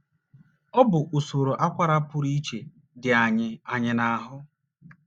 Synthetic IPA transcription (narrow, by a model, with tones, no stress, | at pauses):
ɔ˦bʊ˨ʔo˨so˨ɾo˨ʔa˦kʷa˦ɾa˦pʊ˦ɾi˦t͡ʃe˨ | dɪ˨a˨ɲɪ˨a˨ɲɪ˨na˨˦ɦʊ˦